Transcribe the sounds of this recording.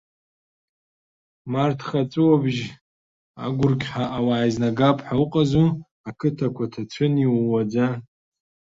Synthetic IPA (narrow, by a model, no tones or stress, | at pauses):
martʰχat͡sʼɨwabʒ | a̰ɡʷʊrɡʲʼħaʔawaːjiznaɡapʼʰħauqʼazu | akʰɨtʰakʷʰatʰat͡ɕʷʰɨniwad͡za